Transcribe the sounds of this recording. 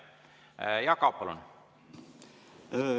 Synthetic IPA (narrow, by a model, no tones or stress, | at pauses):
jɑkɑpɑlṵn